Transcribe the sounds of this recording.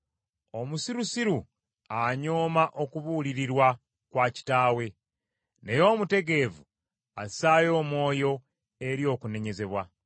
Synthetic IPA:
o̞musiɾusiɾu | aɲo̞ːmaʔo̞kuβuliɾiɾwa | kwaːci̥taːwe̞ | ne̞jo̞ːmute̞ɡe̞vu | asaːjo̞ːmwo̞ːjo̞ | e̞ɾjo̞ːkune̞ɲe̞ze̞βwa

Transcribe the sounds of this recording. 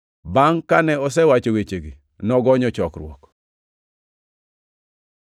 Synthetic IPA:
baŋkanɛɔs̬ɛwat͡ʃowet͡ʃeɡi | nɔɡɔɲɔt͡ʃɔkɾwɔ̰k

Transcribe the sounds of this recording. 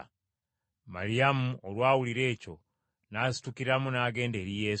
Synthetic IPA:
ma̰ɾiamuolwaːwuliɾe̞ːco̞̰ | naːsi̥tukiɾamunaːɡe̞ːnde̞ːɾije

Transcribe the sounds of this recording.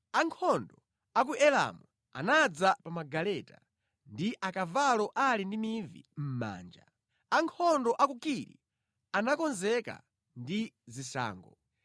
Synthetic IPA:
aŋkʰɔndɔ | ak̬uʔɛla̰mu | a̰nad͡zapamaɡalɛta̰ | ndiʔakavalɔʔalindimivḭm̩ma̰ːnd͡ʒa̰ | aŋkʰɔndɔʔakukiɾḭ | anakɔnzɛka̰ | ndizisa̰ːŋɡɔ̰

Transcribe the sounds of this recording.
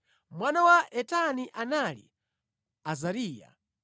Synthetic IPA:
mwanawaʔɛtaniʔanalḭ | azaɾiːja̰

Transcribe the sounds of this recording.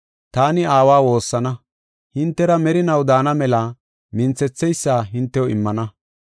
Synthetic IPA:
t̪aːnɪaːwaːwo̞ːsːɐnɐ | hɪnt̪ːɛɾɐmɛɾɪnɐwd̪aːnɐmɛlɐ | mɪnt͡sːɛt͡sːɛjsːaːɦɪnt̪ːɛwɔɪmːɐnɐ

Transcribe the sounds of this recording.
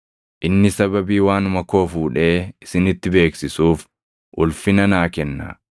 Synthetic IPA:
ʔɪnːɪsɐbɐbiːwaːnʊmɐko̞ːfuːᶑe̞ːɪsɪnɪt̪ːɪbe̞ːksɪsuːf | ʔʊlfɪnɐnaːkɛnːa̰

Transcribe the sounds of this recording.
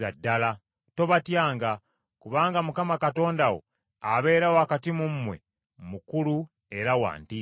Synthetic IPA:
adːala | to̞βatjaːŋɡa | kuβaːŋɡamukamakato̞ːndawo̞̰ | aβe̞ːɾawoakatimumːwe̞̰ | mukulu | eɾawa̰ːnti

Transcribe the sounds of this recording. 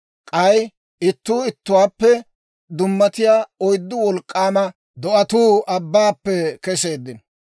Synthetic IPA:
kʼɐj | ɪt̪ːuːɪt̪ːʊwaːpːɛ | d̪ʊmːɐt̪ɪjaːɔjd̪ːʊwɔlkʼːaːmɐ | d̪ɔʔɐt̪uːɐbːaːpːɛkɛse̞ːd̪ːɪn

